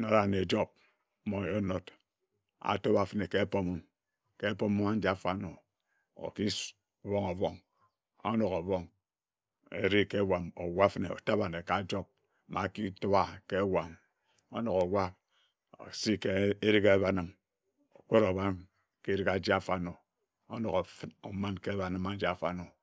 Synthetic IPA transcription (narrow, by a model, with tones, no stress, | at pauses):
no˦ɾa˨ne˨d͡ʒo˦b̚ | mo˨jo˦no˦t | a̰˨to˦ba˨fɨ˨ne˨ke˦po˦mo˦m | ke˦po˦mu˦ma˦n˦d͡ʒa˦fa˦no˨ | o̰˨ki˦ | βo˦ŋo˨βɔ˦ŋ | o̰˦no˨ɣo˨βɔ˦ŋ | ḛ˨ɾi˦ke˦wa˨mo˨wa˦fne˨o̰˨ta˦ba˨ne˨ka˨˦d͡ʒo˦b̚ | ma˨ki˦to˦ba˦ke˦wa˨m | o˦no˨ɣo˨wa˦ | o̰˨si˦ke˦e˦ɾi˦ke˦βa˦nɨ˦m | o˨k͡pe˦ɾo˨βa˦n | ke˦ɾi˦ka˨d͡ʒi˦a˦fa˦no˨ | o˦no˨ɣo˨fno˨ma˦nke˦βa˨nɨ˦ma˦n̩˦d͡ʒi˦a˨fa˦no˨